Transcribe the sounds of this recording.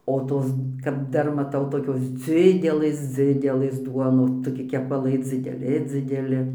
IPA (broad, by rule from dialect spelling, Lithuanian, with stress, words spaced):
oː ˈtoːs kɐp ˈdɐr mɐˈtɐʊ toːˈkʲoːs ˈd͡zʲɪdʲɛlˠɘs ˈd͡zʲɪdʲɛlˠɘs ˈduɔnoːs toːˈkʲɪ kʲɛpɐˈlˠɐɪ d͡zʲɪdʲɛˈlʲɪ d͡zʲɪdʲɛˈlʲɪ